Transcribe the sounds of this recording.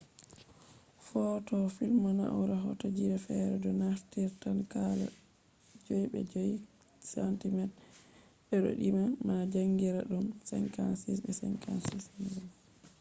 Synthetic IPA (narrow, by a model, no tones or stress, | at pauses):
fɔːtɔfilmana̰ʔawɾaɦɔ̰tod͡ʒiɾɛfɛɾɛdɔnaftiɾtankala̰ | d͡ʒojiɓɛ̰d͡ʒoji | santimɛd | ɓɛɗɔ̰ɗimamad͡ʒaŋɡiɾaɗumsɛnkansisɓɛsɛ̰ŋkansismium